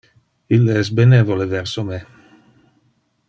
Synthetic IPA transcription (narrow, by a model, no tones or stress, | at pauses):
ilːeɛsbenevolevɛrsome